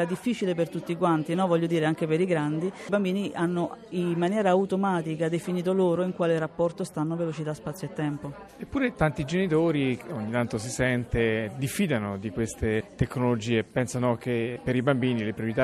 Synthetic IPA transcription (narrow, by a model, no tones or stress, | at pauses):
ad̪ifːit͡ʃilepert̪ut̪ːikwant̪inɔvɔʎːod̪iːɾeaŋk̟epeɾiɡɾand̪ibambiːniʔanːoimːanjɛːɾaːut̪omaːt̪ikad̪efiniːt̪̬oloːɾoiŋkwaːleɾapːɔrt̪ost̪anːovelot͡ʃit̪aspat̪sːjoet̪ːɛmpo | epːuːɾet̪ant̪id͡ʒenit̪oːɾioɲːit̪ant̪osisɛnt̪ed̪ifːiːd̪anod̪ikwest̪et̪ekːnolod͡ʒiːepɛnsanok̟epeɾibambiːnilepɾjoɾit̪a